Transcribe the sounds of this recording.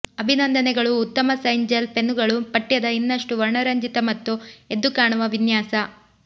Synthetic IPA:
ɐbʱinɐnd̪ʱɐnɛɡɐɭuːt̪ːɐmɐsɐjɲd͡ʒɐlpe̞nːuɡɐɭupɐʈːijɐd̪ɐinːɐʂʈuʋɐɾɳɐɾɐɲd͡ʒit̪ɐmɐt̪ːue̞d̪ːukaːɳuʋɐʋinjaːsɐ

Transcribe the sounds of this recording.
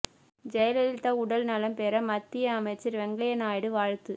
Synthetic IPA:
d͡ʒɛjɐlɐlɪt̪ːaːʊɽɐlnɐlɐmpeːɾɐmɐt̪ːɪjɐːmɐɪt͡ʃːɐɾʋɛŋɡɐjɐnaːjɽɯʋaːɻt̪ːɯ

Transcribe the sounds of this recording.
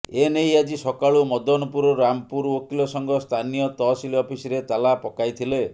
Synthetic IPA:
enejad͡ʒisɔkaɭumɔd̪ɔnɔpuɾɔɾampuɾokilɔsɔŋɡɔst̪ʰanijɔt̪ɔsiliɔpʰisiɾet̪alapɔkajt̪ʰile

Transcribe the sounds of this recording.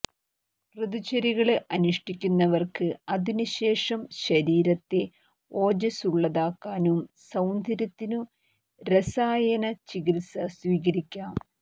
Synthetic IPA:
rɨd̪ut͡ɕɐɾiɣɐɭɨʔɐnuʂʈikʲːunːɐʋɐrkɨɐðinɨɕe̞ːʂɐmɕɐɾiːɾɐt̪ːe̞ | o̞ːd͡ʑɐsuɭːɐðaːkːaːnumsɐwnd̪ʱɐɾɐt̪ːinu | ɾɐsaːjɐnɐt͡ɕiɣiɾisɐsʋiːɣɐɾikʲːaːm

